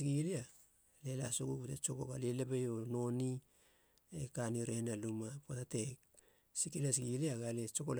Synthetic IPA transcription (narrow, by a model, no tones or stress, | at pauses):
ɡilia | le̞la̰soɡukutet͡ʃo̞koɡalelebejono̞ni | ekaniɾenalumapotatek | sikilesɡiliaɡalet͡ʃo̞kol